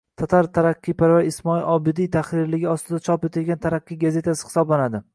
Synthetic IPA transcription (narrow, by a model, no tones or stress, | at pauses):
t̪ʰat̪ʰaɾt̪ʰaɾaqʰːijpaɾvajɪsmɒilʔɒbɪd̪ijt̪ʰaχɾɪɾlɪɡʲɪɒst̪ɪd̪at͡ʃʰɒpe̞t̪ʰɪlɡʲant̪ʰaɾaqːijɡaze̞t̪ʰasɪ̥hɪ̥sɒblanad̪ɪ